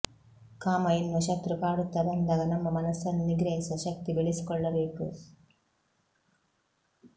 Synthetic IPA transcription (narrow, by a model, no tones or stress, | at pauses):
kaːmɐjinːɐʃɐt̪ɾupaːɽut̪ːɐd̪ɐnd̪ɐɡɐnɐmːɐmɐnɐsːɐnniɡɾɐɦisɐʃɐk̚t̪ibeɭisi̥kɔɭːɐbeːku